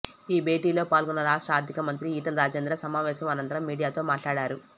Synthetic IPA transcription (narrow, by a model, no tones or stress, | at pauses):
iːbʱe̞ːʈiːlo̞ːpaːlɡunːɐɾaːʂʈɾaːɾd̪ʱikɐmɐnt̪ɾiiːʈɐlɾaːd͡ʒeːnd̪ɾɐsɐmaːʋɛːʃɐmɐnɐnt̪ɐɾɐmːiːɽijaːt̪o̞ːmaːʈlaːɽaːɾu